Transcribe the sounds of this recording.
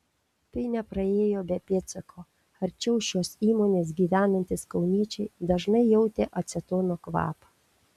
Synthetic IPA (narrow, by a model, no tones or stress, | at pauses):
t̪ɐɪnʲɛpɾɐeːjoːbʲɛpʲet̪sʲɐkʰoː | ɐɾʲt͡ʃʲɛʊʃʲoːsiːmoːnʲeːsɡʲiːʋʲæːnɐnʲt̪ʲɪskɐʊnʲiɛt͡ʃʲɛɪd̪ɐʒnɐɪjɛʊt̪ʲeːʔɐt̪sʲɛt̪oːnokʋɑ̰ːpɐ